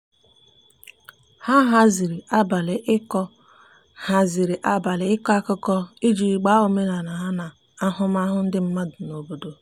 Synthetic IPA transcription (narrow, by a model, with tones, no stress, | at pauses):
ha˦ɦa˦zi˨ɾi˨ʔa˦ba˨lɪ˨ʔɪ˦kɔ˦ | ha˨zi˨ɾi˨ʔa˦ba˨lɪ˨ɪ˦kɔ˦a˦kʊ˦kɔ˦i˦d͡ʒi˨˦ɡ͡ba˦ʊ˨me˦na˨na˨ɦa˦na˨ | a˦ɦʊ˦m˦a˦ɦʊ˦n̩˦dɪ˦m̩˦ma˦dʊ˨no˨bo˨do˨